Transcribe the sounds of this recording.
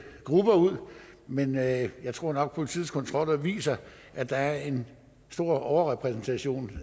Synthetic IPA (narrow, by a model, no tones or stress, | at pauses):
ɡ̥ʁub̥ɐuð̰ˠmenjɑ̈ɪt͡sʰʁo̝ɐ̰nɒ̽ɡ̥̚pʰo̝lit͡sʰið̰ˠskʰɒ̽nt͡sʰʁɒ̽l̰ɐʋḭːsɐ | ʔæd̥ɑ̈æɐe̝n | sd̥o̝ɐ̰ɒʊɐʁɛpʰʁɛsn̩t͡sʰæɕo̝̰ːn